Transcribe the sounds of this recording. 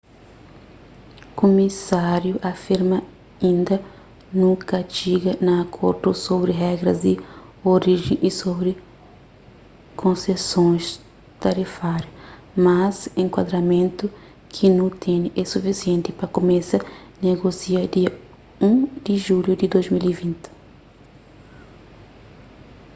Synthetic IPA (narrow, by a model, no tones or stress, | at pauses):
komisaɾjuʔafiɾmɐ | ĩnd̪ɐ | nũkɐt͡ʃiɡɐnɐːkʰoɾd̪usobɾiɦɛɡɾɐzd̪i | oɾiʒḛ̃ʔisobɾi | kʰõnsesõs | t̪aɾifaɾju | masẽŋkwa̰d̪ɾɐmẽnt̪u | kʰinũt̪ʰẽniʔesufisiẽnt̪ɪpɾɐkomesɐ | neɡosiɐd̪iɐ | ũd̪̥iʒuljud̪id̪ojzmilivĩnt̪ɪ̥